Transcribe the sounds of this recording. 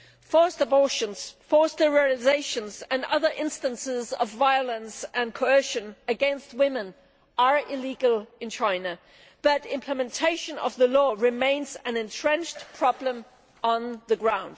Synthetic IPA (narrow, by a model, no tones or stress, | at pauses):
fɔɹstəbɔɹʃə̃nz̥fɔɹsəɹilɪzeɪʃɨ̃nzə̃nʌ̰ðə˞ʔɪ̃nstə̃nsɪzʌ̰vːaɪəlˠə̃nsɨ̃nkʰoʊoʊʃɨ̃nɨɡɛ̃nst̚wɪ̃mɨ̃n | ə˞ɪliɡəlˠɨ̃nt͡ʃʰãɪ̃nə | b̥ʌɾɪ̃mpʰləmɨ̃ntʰeɪʃɨ̃nʌ̰vðəlɔɹɨmẽɪ̃nzɨ̃nɨ̃ntʰɹ̥ɛ̃nd͡ʒpʰɹ̥ɑblə̃m | ə̃nðɨɡɹãʊ̃nd̥